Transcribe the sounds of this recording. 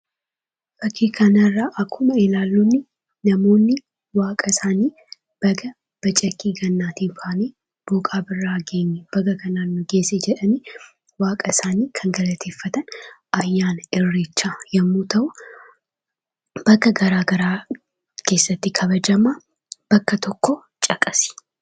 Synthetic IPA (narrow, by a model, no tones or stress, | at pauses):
b̥ɐkʰːikʰɐnɐrːaʔɐkʰːʊmɐɪlaːlːunːɪ | nɐmo̞ːnːɪ | waːkʼɐsaːniː | b̥ɐɡɐ | b̥ɐt͡ʃʼɐkːiːɡɐnːaːt̪iːbaːne | b̥oːkʼaːbɪrːaːɡeːɲːɛb̥ɐɡɐkʰɐnanːʊɡe̞ːsed͡ʒɛᶑɐni | waːkʼɐsaːniːkʰɐŋɡɐlɐt̪ʰe̞ːfːɐt̪ɐnʔɐjːaːnɪrːeːt͡ʃːaːjɐmːuːt̪ʰɐwʊ | b̥ɐkːɐɡɐɾaːɡɐɾaː | ke̞ːsːɐt̪ːikʰɐβɐd͡ʒɐma | b̥ɐkːɐt̪ʰɔkːo | t͡ʃʼɐkʼɐsɪ̥